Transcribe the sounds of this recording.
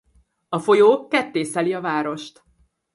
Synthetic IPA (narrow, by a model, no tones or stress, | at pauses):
ɒfo̞joːkɛt̪ːeːsɛliɒvaːɾo̞ʃt̪